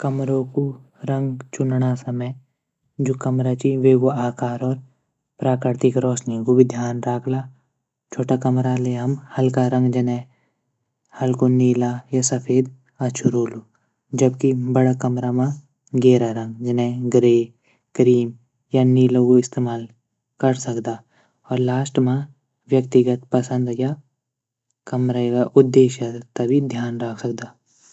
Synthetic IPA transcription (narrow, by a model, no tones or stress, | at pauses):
kɐmɾõku | ɾɐ̃ŋɡt͡ʃʊnɽasɐməj | d͡ʒoːkɐmɾat͡ʃiʋeːɡoaːkaːɾɔːɾ | pɾaːkɾɪɾt̪ɪkɾɔːsniɡobɪd̪ʱjaːnɾaːkʰla | t͡ʃʰoːʈakɐmɾaleɦɐmhɐlkaɾɐ̃ŋɡd͡ʒɐnɛ̃ | hɐlkoniːlajasɐpʰeːd̪ | ɐt͡ʃʰuɾoːlu | d͡ʒɐb̚kibɐɽakɐmɾamã | ɡeːɾaɾɐ̃ŋɡd͡ʒɐnẽɡɾeː | kɾiːm | janiːlõkoɪst̪eːmaːl | kɐɾsɐkd̪aː | ɔːɾlaːsʈmã | wjəkt̪ɪɡət̪pəsə̃nd̪ja | kɐmɾaɡaʔʊd̪ːeːʃat̪ɐbʱid̪ʱjaːnɾakʰsɐk̚d̪aː